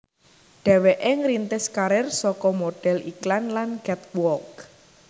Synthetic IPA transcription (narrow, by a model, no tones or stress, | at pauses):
ɖ̥ɛ̤weʔeŋɾint̪ɪskaɾɪrsɔkɔmoɖ̥ɛ̤liklanlanɡ̥ɛt̪̚wɔk